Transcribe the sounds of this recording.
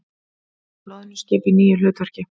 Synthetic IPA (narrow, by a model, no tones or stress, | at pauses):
naðnɪscɛːpiniːjʏlʏːt̪vɛɾ̥cɪ